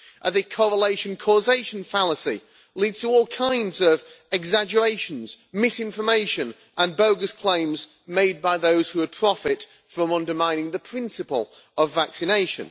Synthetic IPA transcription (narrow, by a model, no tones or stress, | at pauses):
ʔəðɨkʰɔɹəleɪʃɨ̃nkʰɔzeɪʃə̃n̩falˠəsḭ | lidz̥tʰəɔːlˠkʰãɪ̃ndzʌv | ɛɡzad͡ʒə˞eɪʃə̃nz̥ | mɪsɪ̃ɱfə˞meɪʃɨ̃n | ʔə̃nboʊɡəskʰl̥ẽɪ̃mz | meɪd̚baɪðoʊz̥hʉəd̚pʰɹ̥ɒfɪt | fɹə̃mʌ̃ndə˞mãɪ̃nɪ̃ŋðəpʰɹ̥ɪ̃nsɨpə̰lˠ | əvːæksɪneɪʃɨ̰̃n